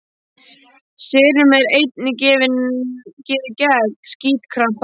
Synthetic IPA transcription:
sɪːɾʏmɛɾejt̪̚nɪcɪːvɪncɛːvɪcɛːɣsciːt̪kʰɾam̥p

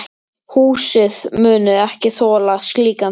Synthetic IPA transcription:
huːsɪðmʏːnʏɛhcɪθɔːlaskliːka

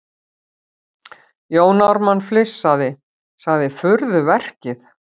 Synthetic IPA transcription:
joːwnawɾmanflɪsːaðɪ | saɣðɪfʏɾðʏvɛr̥cɪθ

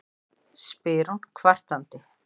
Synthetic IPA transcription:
spɪːɾunkʰvar̥t̪ant̪ɪ

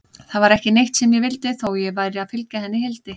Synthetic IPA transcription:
θaðvaɾɛhcɪnejht̪sɛmjɛvɪlt̪ɪθowjɛvajɾɪaðfʏlcaθɛnːɪhɪlt̪ɪ

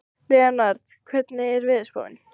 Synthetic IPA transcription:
lɪːðaɾnaɾt̪kʰvɛt̪nɪɛɾvɪðspo̰wɪ̰n

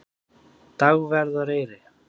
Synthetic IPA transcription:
t̪aɣvɛɾðɔɾejɾɪ

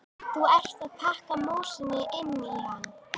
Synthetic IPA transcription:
θuɛr̥t̪aðt̪ʰahkamoːsɪnɪʔɪnːiihanː

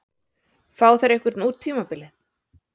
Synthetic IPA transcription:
faːwθaɾɛjhkvɪɾt̪nuːt̪ʰːiːmapɪlɪθ

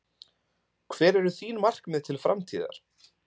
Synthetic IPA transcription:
kʰvɛːɾɛɾʏθiːnmar̥kmɛɪðt̪ʰɪlfɾa̰mt̪ʰiːða̰ɾ̥

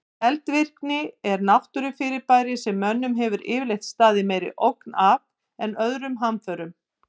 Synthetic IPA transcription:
ɛlt̪vɪr̥knɪɛɾnawht̪ʏɾʏfɪːɾɪɾpaːjɾɪsɛmːœnːʏmɦɛvʏɾɪːvlejht̪st̪aːðɪmɛːjɾɪ̰ʔowknav | ɛnœðɾʏmɦamfœːɾʏm

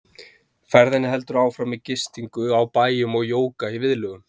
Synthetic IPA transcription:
fɛɾðɛnɪɦɛl̪t̪ʏɾaːwfɾamiðcɪst̪iŋkʏawpaːjʏmɔɣjoːwkaivɪðlœːɣʏm

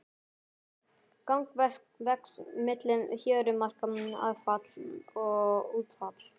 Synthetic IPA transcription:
kawŋkvɛskvɛksmɪt̪lɪnçœːɾʏmar̥kama̰ðfat̪lɔɣuːt̪fat̪l̥

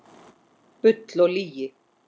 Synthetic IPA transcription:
pʏt̪lɔɣliːjɪ

